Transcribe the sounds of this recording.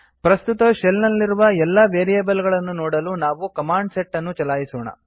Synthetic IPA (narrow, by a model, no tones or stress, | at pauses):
pɾɐst̪ut̪ɐʃelnɐlːiɾuʋɐɛlːɐʋeːɾijeːbɐlɡɐɭɐnːunɔːɽɐlunaːʋukɐmaːɳɖseʈːɐnːut͡ʃɐlaːjisoːɳɐ̰